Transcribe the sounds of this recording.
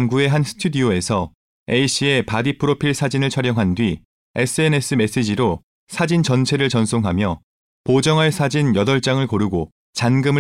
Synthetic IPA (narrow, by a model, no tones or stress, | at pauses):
mɡue̞ɦansʰɯ̥tʰudioe̞sʰʌ | eiɕ͈ʰie̞padipʰɯɾopʰiɭsʰad͡ʑinɯɭt͡ɕʰʌɾjʌŋɦandɥi | e̞s͈ʰɯe̞ne̞s͈ʰɯme̞s͈ed͡ʑiɾo | sʰad͡ʑint͡ɕʌnt͡ɕʰe̞ɾɯɭt͡ɕʌnsʰoŋɦamjʌ | pod͡ʑʌŋɦaɭsʰad͡ʑinjʌdʌɭt͡ɕ͈aŋɯɭkʌɾuɡo | t͡ɕanɡɯmɯ